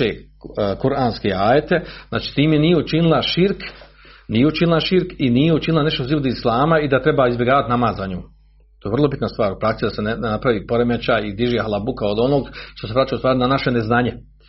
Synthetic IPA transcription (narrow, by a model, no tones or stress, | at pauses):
ḛː | kuɾʔaːnskeːaːjet̪ezna̰ːt͡ʃi̥ːt̪iːmjenijeut͡ʃinilˠaʃiɾk | nijeut͡ʃinilˠaʃiɾkinijeut͡ʃinilˠane̞ʃt̪oziʋod̪islˠaːmaid̪at̪ɾe̞baːizbʲjeɡaːʋat̪namaːzaɲoː | t̪oːjvrlˠo̞bit̪nast̪ʋaːɾupɾak̪sid̪asenapɾaʋiːpo̞ɾemet͡ɕaːjid̪iʒihalˠabukao̞d̪o̞noːɡʃt̪o̞sepɾat͡ʃajust̪ʋaːɾinanaʃe̞neznaːɲe